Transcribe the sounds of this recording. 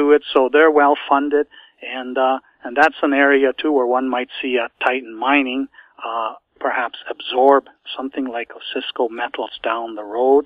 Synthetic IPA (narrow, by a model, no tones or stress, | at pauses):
ɨɪtsoʊðə˞wɛlˠfʌ̃ndɪd | ɨ̃n | ɨ̃nðætsə̃nɛɹiɨtʰuwə˞wʌ̃nmaɪtsiɨtʰaɪʔn̩mãɪ̃nɪ̃ŋ | pʰə˞hæpsɨbzɔɹb̚sʌ̃mθɪ̃ŋlaɪksɪskoʊmɛɾl̩ˠz̥dãʊ̃nðəɹoʊd̥̚